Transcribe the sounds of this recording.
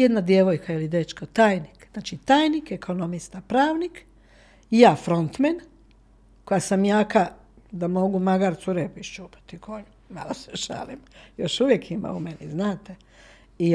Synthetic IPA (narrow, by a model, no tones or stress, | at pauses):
ed̪nad̪jeʋojkʰailid̪et͡ʃkot̪aːjnikznaːt͡ʃit̪aːjnikekʰo̞nomist̪apɾaːʋnik | jaːfɾo̞nt̪men | kojasamjaːka | d̪amo̞ɡumaɡaɾt̪suɾepiʃt͡ʃupḁt̪ikʰoɲu | ma̰loseʃa̰limjoʃuʋjekʰima̰umeniznaːt̪e | i